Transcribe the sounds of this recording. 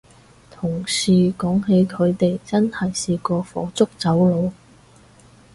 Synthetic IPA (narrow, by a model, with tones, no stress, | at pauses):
t̪ʰʊ˨˩ŋsiː˨˩kɔː˨˥ŋɦe˨˥jkʰɵ˨˧ɥt̪e˨jt͡sɐ˥nhɐ˨jsiː˧kɔː˧fɔ̰ː˨˧˥t͡sʊ˥k̚t͡sɐ˨˥wlo˨˧w